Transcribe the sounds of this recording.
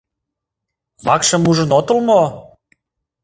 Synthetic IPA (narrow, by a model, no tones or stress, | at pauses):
βɑkʃə̆muʒə̆not̪əlmo